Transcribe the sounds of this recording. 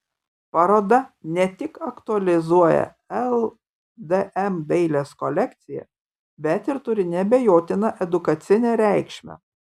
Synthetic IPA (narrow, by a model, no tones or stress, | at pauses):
pɑɾoːd̪ɐnʲɛt̪ʲɪkɐkt̪ʊɐlʲɪzuɔjɛ̰ | ɛlˠ | d̪ɛʔɛmd̪ɛɪlʲeːskɔlʲɛkt̪sʲɪjɛ̰ | bʲɛt̪ɪɾt̪ʊɾʲɪnʲɛbʲɛjoːt̪ʲɪnɐʔɛd̪ʊkɐt̪sʲɪnʲeːɾʲæɪkʃʲmʲɛ̰